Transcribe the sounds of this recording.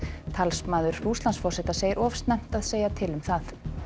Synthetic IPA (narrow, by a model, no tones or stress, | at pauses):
t̪ʰalspmaːðʏɾ̥uːst̪lansfɔrsɛt̪aseːjɪɾʔɔfst̪nɛm̥t̪aðseːjat̪ʰɪlʏmθaθ